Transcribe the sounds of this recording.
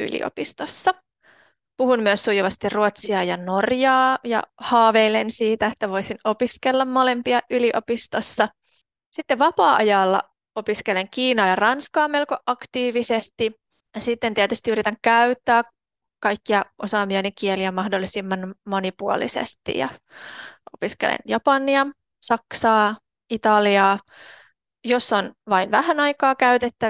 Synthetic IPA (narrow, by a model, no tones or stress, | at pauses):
y̰lḭʔo̰pist̪osːɑ | puhummyøsːujuʋɑst̪irruot̪siɑːjɑnorjɑːjɑ̰hɑːʋeilensiːt̪æet̪ːæʋo̞isinopiskelːɑmmolempiɑʔyliʔo̰pist̪osːɑ | sit̪ːeʋʋɑpɑːʔɑjɑlːɑ̰ | o̞piskeleŋkiːnɑːjɑrɑnskɑːme̞lkoʔɑkt̪iːʋisest̪i | ɑsit̪ːent̪iæt̪yst̪iyɾit̪æŋkæyt̪ːæː | kɑjkːiɑʔosɑːmiɑnikieliæmɑhdolːisimːɑnmonipuo̰lḭsḛst̪ḭjɑ̰ | ʔopiskḛlḛnjɑpɑnːiɑ | sɑksɑː | it̪ɑliɑː | josːonʋɑinʋæhænɑikɑːkæyt̪et̪ːæ